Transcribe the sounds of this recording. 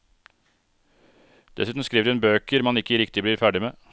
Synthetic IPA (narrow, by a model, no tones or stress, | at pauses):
d̪̥ɛsʉːt̪n̩skɾiːʋd̪ːnbøːkəɾmɑnɪkːəɾɪkt̪ɪbliːɾfæɖɪmeː